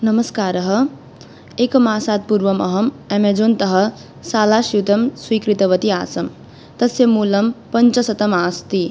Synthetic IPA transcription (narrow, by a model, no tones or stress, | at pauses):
nʌməskaːɾʌɦʌ | ekmaːsaːt̪̚puɾʋʌmʌɦʌm | emed͡zont̪ʌɦʌ | saːlasiwt̪ɐmswikɾit̪ɐʋɐt̪ia̰ːsɐm | t̪ɐsjemuːlɐmpɐnt͡ʃʌsɐt̪ɐmaːst̪i